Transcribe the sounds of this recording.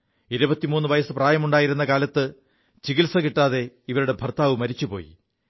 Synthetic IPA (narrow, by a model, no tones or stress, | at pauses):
iɾubɐt̪ːimuːnːuʋɐjɐsɨpraːjɐmuɳɖaːjiɾunːɐkaːlɐt̪ːɨ | t͡ɕiɣilsɐkiʈːaːðe̞ | iʋɐɾuɽe̞bʱɐrt̪aːʋɨmɐɾit͡ɕːupo̞̰ːjḭ